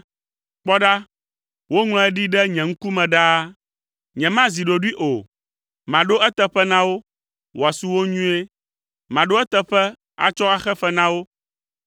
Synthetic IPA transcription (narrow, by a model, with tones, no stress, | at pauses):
k͡pɔ˦ɖa˦ | wo˦ŋl̃ɔ̃˦ɛ˦ɖi˦ɖɛ˦ɲɛ̃˨ŋ̩˦ku˦mɛ̃˨ɖa˦ | ɲɛ̃˨mã˦zi˨ɖo˨ɖi˦ʔo˨ | mã˨ɖo˦ɛ˦t̪ɛ˨ɸɛ˦nã˦wo˦ | wo˨a˨su˨wo˦ɲũ˦e˦ | mã˨ɖo˦ɛ˦t̪ɛ˨ɸɛ˦ | a̰˨t͡ʃɔ˦a˨xɛ˦fɛ˦nã˦wo˦